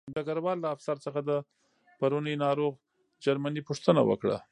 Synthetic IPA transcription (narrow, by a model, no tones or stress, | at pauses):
d̪aɡaɾwɑlːaːfsaɾt͡səxad̪ə | paɾunəjnɑɾoɣ | d͡ʒaɾmanipuʂt̪əna̰wə̰kɽa̰